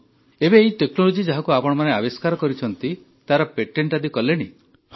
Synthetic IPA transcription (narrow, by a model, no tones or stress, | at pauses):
ebeeiʈeknolod͡ʒid͡ʒaɦakuapɔɽ̃ɔmaneabeskaɾɔkɔɾit͡ʃʰɔnt̪i | t̪aɾɔpeʈeɳʈad̪ikɔleɽ̃i